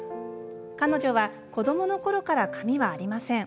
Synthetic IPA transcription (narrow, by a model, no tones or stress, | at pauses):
kano̞ʑo̞βa | ko̞d̪o̞mo̞no̞ko̞ɾo̞kaɾakamʲiβaːɾʲimasẽ̞ŋ